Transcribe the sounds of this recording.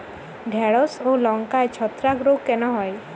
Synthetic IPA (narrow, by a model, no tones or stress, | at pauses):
ɖʱɛɽɔsolɔŋkaet͡ʃʰɔt̪ɾakɾoɡ̚kenɔɦɔj